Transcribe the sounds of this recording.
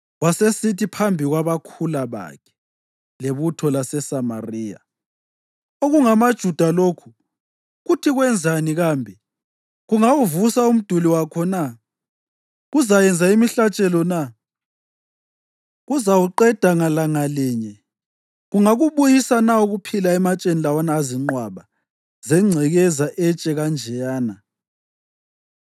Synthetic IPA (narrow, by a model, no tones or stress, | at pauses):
ɣwasesitipʰambʱiɣwaβakʰulaβa̰kʰɛ̥ | leβutʰɔlasɛsama̰riːja̰ | oɣuŋamad̥ʒ̥ʱud̥ʱaloːkʰu̥ | ɣutʰiɣwɛnd͡zʱaniɣaːmbʱɛ | ɣuŋawuvusaum̩d̥ʱuliwakʰɔna | ɣuzajɛnd͡zʱaimiɬat͡ʃʼɛlɔna | ɣuzawuǃɛd̥ʱaŋalaŋalɛɲɛ | ɣuŋaɣuβujisanauɣupʰilaɛmat͡ʃʼenilawanaːziŋ͡ǃwaβa | zɛŋ͡ǀʱɛɣɛzaʔɛt͡ʃʼɛɣand͡ʒʱɛjaːna